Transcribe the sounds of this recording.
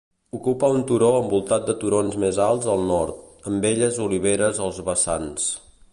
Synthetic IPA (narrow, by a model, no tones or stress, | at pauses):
ukupəunt̪uɾoəmbulˠt̪at̪̚d̪ət̪uɾonzmezalˠzəlˠnɔɾt̪əmbeʎəzuliβ̞eɾəzəlˠzβəsans